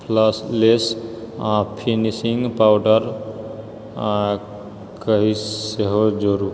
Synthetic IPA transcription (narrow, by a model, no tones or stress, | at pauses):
pʰləslesãpʰinisĩŋɡpawɖəɾ | kəɦiseɦod͡ʒoɾu